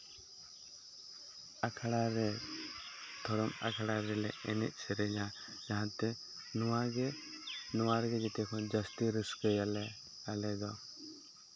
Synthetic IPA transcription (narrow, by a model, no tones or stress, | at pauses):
akʰaɽaɾɛ | t̪ʰɔɾɔma̰kʰaɽaɾɛlɛɛnɛ̰ʔ̚ˀsɛɾɛd͡ʒã | d͡ʒaɦãt̪ɛ | nuwaɡe | nuwaɾɡɛd͡ʒɛt̪ɛkʰɔnd͡ʒəst̪iɾiskəjl | alɛd̪ɔ